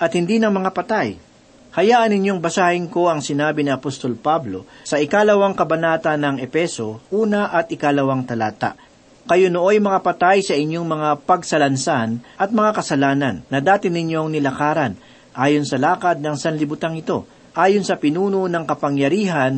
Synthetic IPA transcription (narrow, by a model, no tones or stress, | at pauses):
ʔɐt̪̚hɪnd̪inɐŋmɐŋapɐt̪aj | hɐjaːʔɐnɪɲo̞ŋbɐsaːhɪŋko̞ʔɐŋsɪnaːbɪnɪɐpost̪o̞lpablo̞sɐʔɪkalɐwaŋkɐbɐnaːt̪ɐnːɐŋɛpɛso̞ʔuːnɐʔɐt̪̚ɪkalɐwaŋt̪ɐlaːt̪a̰ʔ | kɐjonoʔo̞jmɐŋapɐt̪ajsɐʔɪɲjo̞ŋmɐŋapɐɡsɐlɐnsanʔɐt̪̚mɐŋakɐsɐlaːnɐnːɐd̪aːt̪ɪnɪɲjo̞ŋnɪlɐkaːɾɐn | ʔaːjo̞nsɐlaːkɐd̪̚nɐŋsɐnlɪbʊt̪aŋɪt̪o̞̰ | ʔaːjonsɐpɪnuːno̞nɐŋkɐpɐŋjɐɾiːɦɐn